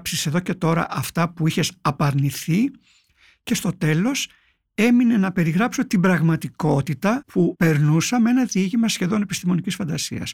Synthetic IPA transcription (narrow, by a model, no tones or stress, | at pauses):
psise̞ðo̞ce̞t̪o̞ɾɐ̰ʔɐft̪ɐpuiçe̞sɐpɐɾniθi | ce̞st̪o̞t̪e̞lo̞s | e̞mine̞nɐpe̞ɾiɣɾɐpso̞t̪ibɾɐɣmɐt̪iko̞t̪it̪ɐpupe̞ɾnusɐme̞nɐðiʝimɐsçe̞ðo̞ne̞pist̪imo̞nicisfɐnd̪ɐsiɐ̰s